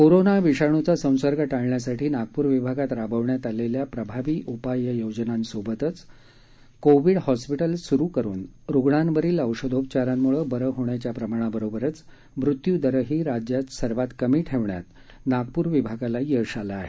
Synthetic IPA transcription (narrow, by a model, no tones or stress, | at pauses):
koɾonaʋiɕaɳ̃ut͡sasə̃w̃səɾɡʱəʈaɭɳjasaʈʰiːnaɡ̚puɾʋibʱaɡat̪ɾabʱəʋɳjat̪aleljapɾəbʱaʋiːʔupajəjod͡ʑnansobət̪ət͡s | koʋiɽhɔspiʈəlsuɾuːkəɾṵːnɾoɡɳanʋəɾiːləwʂəd̪ʱop̚t͡ɕaɾanmuɭəbəɾəɦoɳjat͡ɕjapɾəmaɽ̃abəɾobəɾət͡s | mɾut̪jud̪əɾəɦiːɾad͡ʑjat̪səɾʋat̪kəmiːʈʰeʋɳja̰t̪ | naɡ̚puɾʋibʱaɡalajəʂalaːɦe